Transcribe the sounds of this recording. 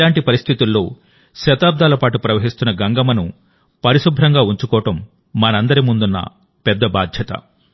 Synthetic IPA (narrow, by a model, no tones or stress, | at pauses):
aːɳʈipɐɾist̪ʰit̪ulːo̞̰ː | ʃɐt̪aːb̚d̪aːlɐpaːʈupɾɐʋɐɦist̪unːɐɡɐŋɡɐmɐnu | pɐɾiʃubʱɾɐŋɡaːuɲt͡ʃukɔːɐʈɐmː | ɐnɐɐnd̪ɐɾimund̪unːɐ̰ | pɛd̪ːɐba̰ːd̪ʱjɐt̪ɐ̰